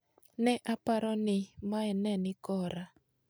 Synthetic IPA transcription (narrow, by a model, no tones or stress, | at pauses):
nɛʔapaɾɔnɪmaɛnɛnɪkɔɾa